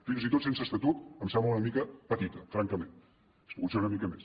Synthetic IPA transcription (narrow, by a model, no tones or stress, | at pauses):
finzit̪ot̪sensəst̪ət̪ut̪əmsɛmbləunəmikəpət̪it̪əfɾaŋkəmẽn | espuɣut̪seunəmikəmes